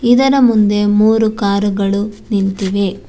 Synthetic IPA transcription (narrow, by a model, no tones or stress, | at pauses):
id̪ɐɾɐmund̪e̞muːɾukaːɾuɡɐɭunint̪iʋe̞